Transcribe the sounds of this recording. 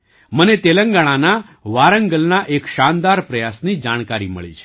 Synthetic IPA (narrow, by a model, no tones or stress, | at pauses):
mənet̪eləŋɡaɽ̃ana | ʋaɾəŋɡəlnaʔekʃand̪aɾpɾəjasnid͡ʒaɽ̃kaɾimə̰ɭḭt͡ʃʰe̥